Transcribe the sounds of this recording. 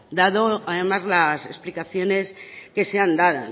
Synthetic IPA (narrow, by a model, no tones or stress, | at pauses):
d̪aðoaðe̞mazlasesplikaθjo̞ne̞ske̞seand̪aða